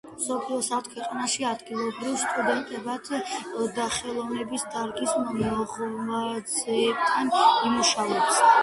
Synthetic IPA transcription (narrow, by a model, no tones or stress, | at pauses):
msɔpʰliɔsat̪̚ʰkʰwɛqʼanaʃiad̪ɡilˠɔbɾivsk̪ʼud̪ɛnt̪ʼɛbad̪̥d̪aχɛlˠɔvnɛbisd̪aɾɡismɔmɔʁad̪zɛːb̚t̪ʰanimuʃavɛbs